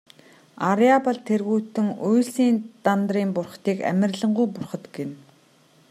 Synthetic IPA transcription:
aɾjapə̆ɮt̪ʰerɣuːt̪ɘ̆ŋujɮsiːnt̪ant̪riːmpʊrχt̪iːkæ̰mʲɪ̆rɮə̆ɴɢujpʊrχɞ̆t̪ɡen

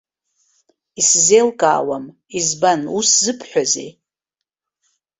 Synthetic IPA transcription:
iszejlkʼa̰ːwam | izbanuszɨpʰħʷᶣazḛj

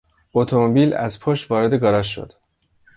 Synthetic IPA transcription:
ot̪ʰo̞mobiːlæ̰zpʰoʃt̪vɒːɾe̞d̪e̞ɡɒːɾɒːʃːo̞̰d̪̥

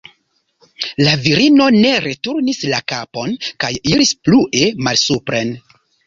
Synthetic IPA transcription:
laviɾino̞ne̞ɾe̞tuɾnislakapo̞nkajiɾispluʔe̞malsupɾe̞n

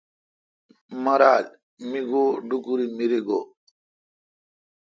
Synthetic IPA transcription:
mɐɾaːl | miɡoɖukuɾimiɾiɡo

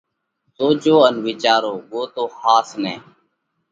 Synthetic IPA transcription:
soːd͡ʒoːənʋiːt͡ʃaːɾoːʋoːt̪oːxaːsnɛ̰ː

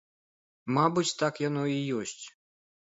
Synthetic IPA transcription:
mabɨt͡sʲt̪akjanɔijɔsʲt͡sʲ

